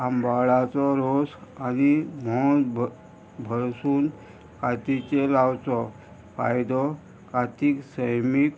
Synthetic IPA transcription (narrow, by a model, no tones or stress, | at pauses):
ambaɭat͡sɔɾosanimɔ̃ | bʱəɾsuːn | kat̪it͡ɕelawt͡sɔ | fa̰jd̪ɔ | kat̪iːksəjmik